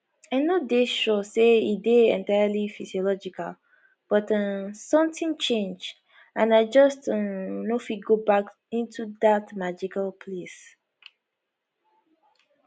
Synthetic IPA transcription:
ãnodeʃɔseideɛ̰̃ntaɪalifiziɔlɔd͡ʒika̰l | b̥ɔtə̃sɔ̃mtĩŋt͡ʃẽnd͡ʒ | ãnaɪd͡ʒʌstə̃nofiɡobak | ĩntʰuðatmad͡ʒikalpʰles

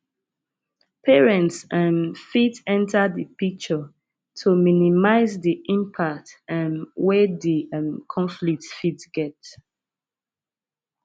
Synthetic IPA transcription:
pʰɛɹɛ̃ntsãnfitɛ̃ntʰədəpik̚t͡ʃə | tʰuminimaɪzdiʔĩmpʰak̚tãnwɛdimkʰɔ̃nflik̚tfitsɡ̥ɛt

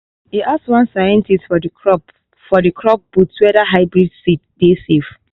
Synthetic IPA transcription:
hiʔasswãnsajɛ̃ntʰistfɔdikɹɔp | fɔdikʰɹɔp̚b̥utwɛdaɦaɪbɹidsit̚desef

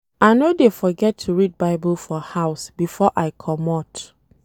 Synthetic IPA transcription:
aɪnodefɔɡɛtʰːuɹid̚baɪbəlfɔhaʊsbifɔʔaɪkʰɔmɔt

